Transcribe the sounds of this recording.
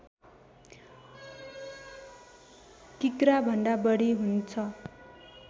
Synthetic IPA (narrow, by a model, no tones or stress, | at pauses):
kikɾabʱʌnd̪abʌɽiɦunt͡sʰʌ